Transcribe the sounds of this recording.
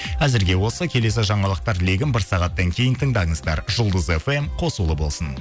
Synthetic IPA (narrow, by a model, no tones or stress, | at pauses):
æzɪɾɡʲe̞wo̞səkʲʰe̞le̞s̬ɪʒɑɴɑlˠəq̚t̪ɑɾle̞ɡʲɪnbɪɾsɑʁɑt̪ːɑŋkʲʰe̞jɪnt̪ʰəɴd̪ɑɴəzd̪ɑɾʒʊlˠd̪əzefe̞mqʰo̞sulˠəbo̞lˠsən